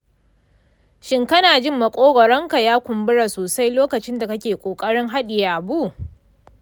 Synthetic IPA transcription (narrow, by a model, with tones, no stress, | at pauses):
ʃɪ˦ŋkɐ˦naː˨d͡ʒɪ˦mːɐ˨kʷʼoː˦ɡɔ˨ɽɔ˦ŋka˨jaː˦kʷʊ˨mbʊ˦ɽa˨soː˨sa˦jloː˦kɐ˨t͡ʃɪ˦nda˨kɐ˦kʲeː˨kʷʼoː˨kʼɐ˦ɽɪ˦ŋɦa˦ɗɪ˨jaː˨bu˦˨